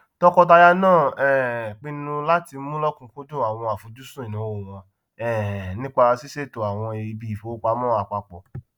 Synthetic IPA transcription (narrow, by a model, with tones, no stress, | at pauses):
tɔ˦kɔ˧t̬a˧ja˧nãː˦˨ɛ˦˨k͡pĩ˧˦nũ˧la˦ti˧˦mũ˦lɔ˦kũ˧ko˦dũ˦˨a˨w̃ɔ̃˧a˨fu˨˦d͡ʒu˦sũ˦ĩ˨nũ˨˦wo˨w̃ɔ̃˧ | ɛ˦˨nĩ˦k͡pa˧si˦se˦˨to˧a˨w̃ɔ̃˧e˨i˧bi˧i˨fo˨˦k͡pa˧˦mɔ̃˦a˨k͡pa˧k͡pɔ̰˨